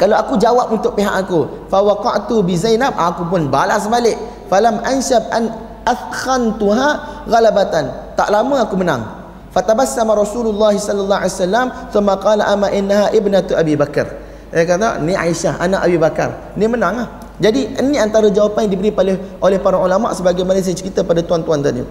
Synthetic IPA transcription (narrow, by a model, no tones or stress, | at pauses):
kalawakud͡ʒawap̚unt̪ʊʔ̚piɦa̰ʔakufawɑqɑʔt̪ubɪzajnab̚ʔakup̬ʊnbalasbalɪʔ | falamʔanʃab̚ʔan | ʔafxant̪uɦaɣalabat̪ant̪a̰ʔlaməakumənã̰ŋ | fat̪abasːamaɾˤɑsulʊlːɑhisɔlːalːɑɦaijasalːamθʊmːaqɑːlaʔamaʔɪnːaɦaʔɪbnat̪ʔabibakə̰r | sajakat̪a̰niʔa̰iʃahʔa̰na̰ʔabibaka̰r | nĩmənaŋlah | d͡ʒadiənːiant̪aɾad͡ʒawapanjaŋdibəɾipalɛhʔolɛhpaɾaulama̰ʔsəbaɡajmanas̬iat͡ʃəɾit̪apadat̪uant̪uant̪adḭ